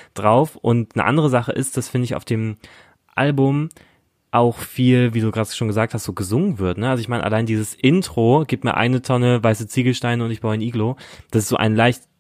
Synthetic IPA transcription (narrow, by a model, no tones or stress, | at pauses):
d̥ʁaʊfʔʊntnə̰ʔa̰ndəʁəzaχəʔɪst̚d̥asfɪndəɪçaʊfd̥eːm | ʔa̰lbʊm | ʔaʊxfiːlviːduːɡʁaːtʃoːnŋɡəzaːk̚tʰhastz̥oːɡəzʊŋənvɪɐtnəʔalzoɪçmaɪnʔa̰laɪndiːzəsʔɪntʁ̥oɡiːp̚tmiːɐʔa̰ɪnətʰɔnəvaɪsət͡siːɡl̩ʃtaɪnəʊntɪçb̥aʊnʔiːɡlod̥asɪstz̥oːʔa̰ɪnlaɪçt